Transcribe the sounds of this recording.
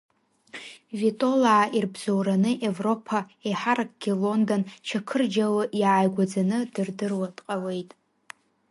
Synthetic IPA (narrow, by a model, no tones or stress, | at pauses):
vitʼo̞laʕːirbz̥owɾanɨʔe̞vro̞pʰaejħaɾakʼɡ̥ʲilo̞ndont͡ʃʰakʰɨrd͡ʒawɨʔjaʕajɡʷad͡zanɨdɨrdɨrwatʼqʼawe̞jtʼ